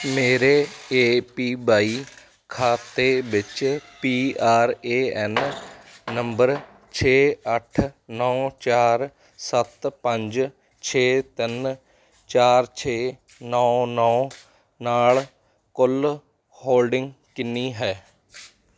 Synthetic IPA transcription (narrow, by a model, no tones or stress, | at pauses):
meːɾeːeːpiːbaːiː | kʰaːt̪eːbɪt͡ʃpiːaːɾeːɛnː | əmbəɾ | t͡ʃʰeːəʈʰnɔ̃ːt͡ʃaːɾ | sət̪pə̃ɲd͡ʒ | t͡ʃʰeːt̪ɪn | t͡ʃaːɾt͡ʃʰeː | nɔːnɔː | naːl | kʊl | hoːlɖɪŋɡkɪnːiːɦɛː